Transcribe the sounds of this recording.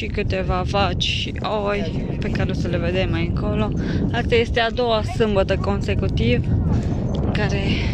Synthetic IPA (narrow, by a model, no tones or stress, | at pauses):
ʃikɨt̪e̞vavat͡ʃʲʃiʔoj | pe̞kaɾeosəle̞ve̞d̪e̞mːajɨŋko̞lo̞ast̪aje̞st̪e̞ad̪o̞wasɨmbət̪əko̞nse̞kut̪iv | ɨŋkaɾe̞